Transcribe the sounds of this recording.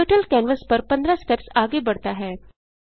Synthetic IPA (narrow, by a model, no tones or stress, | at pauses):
oʈəlkɛːnʋəspɐɾpɐ̃nd̪ɾasʈɛpsaːɡebɐɽt̪aɦɛː